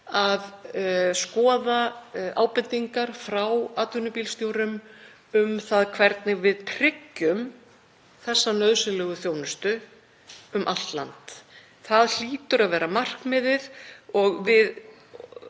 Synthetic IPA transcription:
aðskɔːðaaːwpɪnt̪iŋkaɾ̥fɾawaːt̪ʰʏnʏpilst̪jowɾʏm | ʏmθaðkʰvɛɾt̪nɪvɪðpʰɾɪcːʏm | θɛsːanœðsʏlɛːɣʏθjoːwnʏst̪ʏ | ʏmʔalt̪la̰nt̪ | θaðl̥iːt̪ʏɾaðvɛːɾamar̥kmɪðɪðɔɣvɪð

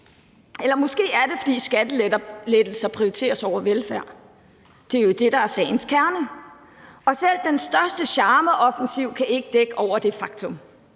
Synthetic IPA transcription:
elɐmɔ̽sɡ̥e̝̰ːæɐd̥e̝fɒ̽d̥ḭːsɡ̥æd̥əledɐled̥l̩sɐpʰʁiot͡sʰe̝̰ːɐsɒʊ̰ɐʋelfæɐ̰ | d̥e̝æɐjo̝d̥e̝d̥ɑ̈æɐsɛ̰ːɪn̩skʰæɐnə | ɒ̽sel̰d̥ensd̥ɶɐsd̥əɕɑ̈ːməʔɒ̽fn̩siʊ̰kʰæʔe̝ɡ̥əd̥eɡ̥əʔɒʊ̰ɐd̥e̝fɑ̈ɡ̥̚t͡sʰɔ̽m

